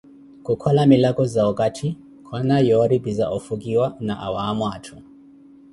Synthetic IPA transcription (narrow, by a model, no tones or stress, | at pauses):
kukʰɔlamilakɔzaɔkatʰi | kʰwanajɔɾibizaʔɔfuk̬iwanaʔa̰waːmwatʰu